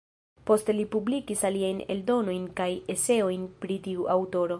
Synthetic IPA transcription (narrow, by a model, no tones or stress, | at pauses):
po̞ste̞lipublikisaliajne̞̰ldo̞no̞jnkaje̞se̞o̞jnpɾitiuʔawto̞ɾo̞